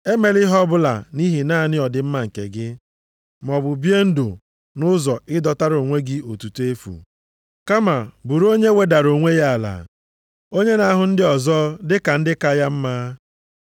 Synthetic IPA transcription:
e˦me˨lɪ˦ɦɔ˦bʊ˦la̰˨ni˦ɦi˨naː˦˨nɪ˦ɔ˨dɪ˨m̩˦ma˨ŋ̩˨kḛ˨ɡɪ˦ | m˨ɔ˨bʊ˨bje˦n̩˦do˨ | nʊ˦zɔ˨ɪ˦dɔ˦ta˦ɾo˨ŋʷe˦ɡɪ˦o˨tu˨tu˦e˦fṵ˨ | ka˦ma˨bu˨ɾo˦ɲe˦we˦da˨ɾo˨ŋʷe˦ja˦a˨la̰˨ | o˦ɲe˦na˦ɦʊ˨n̩˦dɪ˦ɔ˨zɔ˦dɪ˦ka˨n̩˦dɪ˦ka˦ja˦m̩˦maː˦

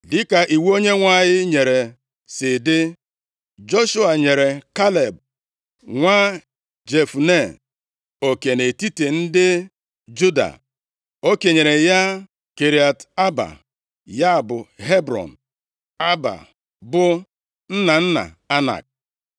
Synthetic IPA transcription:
dɪ˦ka˨ʔi˨wo˦ɲe˦ŋʷa˦˨jɪ˦ɲe˨ɾe˨ | sɪ˨dɪ˦ | d͡ʒo˦ʃu˦a˨ɲe˨ɾe˨ka˦le˨b̚ | ŋʷa˦ | d͡ʒe˨fu˨ne˦˨ | o˨ke˨ne˨ti˦te˨n̩˦dɪ˦ | d͡ʒu˦da̰˨ | o˦ke˨ɲe˨ɾe˨ja˦ | ke˨ɾi˨a˨ta˦ba̰˨ | ja˦˨bʊ˨ɦe˦bɾɔ̰˨n̩˨ | a˦ba̰˨ | bʊ˦ | n̩˦na˨n̩˦na̰˨ | a˦na̰˨k̚

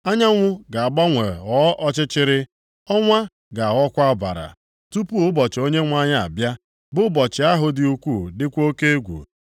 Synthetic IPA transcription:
a˦ɲa˦ŋʷʊ˦ɡa˨a˨ɡ͡ba˦ŋʷe˨ɣɔ˨˦ʔɔ˦t͡ʃɪ˦t͡ʃɪ˦ɾɪ˦ | ɔ˦ŋʷa˦ | ɡa˨ɣɔ˦kʷa˦ba̰˨ɾa̰˨ | tu˦pu˦ʊ˦bɔ˨t͡ʃɪ˨o˦ɲe˦ŋʷa˦ɲa˦˨a̰˨bja˦ | bʊ˦bɔ˨t͡ʃɪ˨a˦ɦʊ˦dɪ˦u˦kʷu˦˨dɪ˦kʷo˦ke˦e˦ɡʷṵ˨

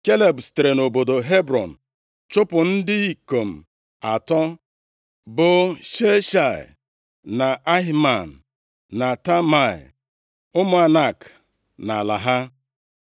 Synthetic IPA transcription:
ke˦le˨bste˨ɾe˨no˨bo˨do˨ɦe˦bɾɔ˨n̩˨ | t͡ʃʊ˦pʊ˨n̩˦dɪ˦i˨ko˨m̩˨ | a˨tɔ˦ | bʊ˨ʃe˦ʃa̰˨ | na˨ʔa˦ɦma˨n̩˨ | na˨ta˦ma̰˨ | ʊ˦mʊ˨a˨na˨k | na˨la̰˨ɦa˦

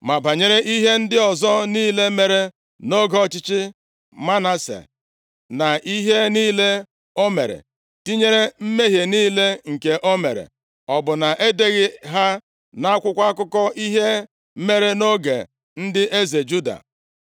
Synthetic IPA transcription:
ma˨ba˨ɲe˦ɾe˦ʔi˦ɦe˦n̩˦dɪ˦ɔ˨zɔ˦niː˦le˦me˨ɾe˦ | no˦ɡɔ˦t͡ʃɪ˦t͡ʃɪ˦ | ma˦na˦sḛ˨ | na˨ʔi˦ɦe˦niː˦le˦ | o˦mḛ˨ɾḛ˨ | ti˦ɲe˦ɾe˦m̩˦me˦ɦje˨niː˦le˦ŋ̩˨ke˨ʔo˦me˨ɾḛ˨ | ɔ˨bʊ˨na˨ʔe˦de˦ɣɪ˨ɦa˦ | na˦a˦kʷʊ˦kʷa˦kʊ˦kɔ˦i˦ɦe˦ | me˦ɾe˦no˦ɡḛ˨ | n̩˦dɪ˦ʔe˦ze˨d͡ʒu˦da̰˨

